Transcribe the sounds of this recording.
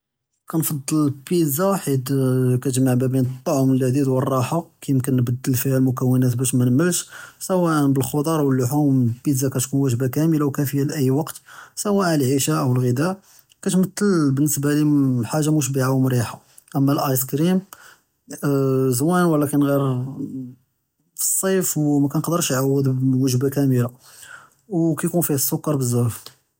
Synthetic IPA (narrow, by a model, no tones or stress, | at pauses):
kænfɑd̪ˤːəlpid̪zawaħəd̪kæt̪ʒmaʕbæbinət̪ˤːɑʕməlʕd̪id̪wərˤːɑħakæjəmkənːbəd̪ːəlfihælmʊkəwːənæt̪bæʃmænəmːəlʃsəwæʔənbəlxod̪ˤɑɾˤwəlːʊħumpid̪zakæt̪kunwæʒbakæməlawkæfəjːælʔəjːwɑqt̪sæwæʔlʕiʃæʔəwəlɣəd̪æʔ | kæt̪mət̪ːəlbənːəsbaliħaʒːamuʃ̬biʕawmɾiħa | ʔəmːælʔɑjskɾim | zwænwəlækənɣiɾ | fəsˤːɑfwmækænqd̪əɾˤʃjʕawːəd̪wəʒbakæməla | wkæjkunfihæsːʊkːɑɾˤbəzːæɾf